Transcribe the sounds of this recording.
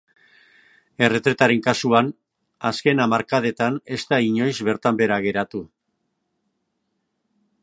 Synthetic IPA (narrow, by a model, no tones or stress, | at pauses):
e̞re̞t̪ɾe̞t̪aɾe̞ŋkasuan | aske̞namaɾkað̞e̞t̪ane̞st̪aiɲo̞jzβe̞ɾt̪ambe̞ɾaɣ̞e̞ɾat̪u